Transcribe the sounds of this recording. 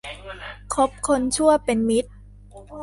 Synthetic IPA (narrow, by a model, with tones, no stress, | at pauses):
kʰo˦˥p̚kʰo˧nt͡ɕʰu˥˩ɐpe˧nmi˦˥t̪̚